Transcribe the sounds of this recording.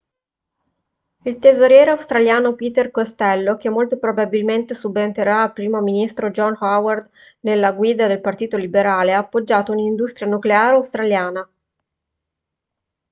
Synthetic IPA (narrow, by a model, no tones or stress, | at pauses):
ilt̪ezoɾjɛːɾeawst̪ɾaljaːnopiːt̪erkost̪ɛlːok̟emːolt̪opɾobabilment̪esubːent̪eɾaːlpːɾiːmominist̪ɾod͡ʒɔnhaward̪ | nelːaɡwiːd̪ad̪elpart̪iːt̪olibeɾaːleaːpːod͡ʒːaːt̪ounind̪ust̪ɾjanukleaːɾeawst̪ɾaljaːna